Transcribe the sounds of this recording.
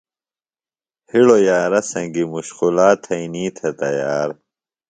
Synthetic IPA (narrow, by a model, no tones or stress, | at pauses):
hiɽojaːɾɐsɐŋɡimuɕqulaːt̪ʰɐiniːt̪ʰet̪ɐjaːɾ